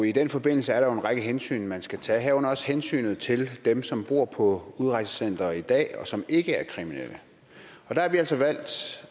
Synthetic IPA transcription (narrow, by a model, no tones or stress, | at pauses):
id̥enfɒ̽b̥e̝n̰l̩səæɐɾ̥ɑjo̝e̝nʁɑ̈ɡ̥əɦensy̰ːnmænsɡ̥æt͡sʰɛ̰ːɦɛʊnɒ̽shensy̰ːnð̞̩ˠt͡sʰe̝ld̥emsɒ̽mb̥o̝ːɐ̰pʰɒ̽uðˠʁɑ̈ɪsə̥sen̰d̥ɐid̥ɛ̰ːɒ̽sɒ̽me̝ɡ̥əæɐkʰʁiminelʔə | ɒ̽d̥ɑ̈hɑʋiæl̰sɒʋæl̰d̥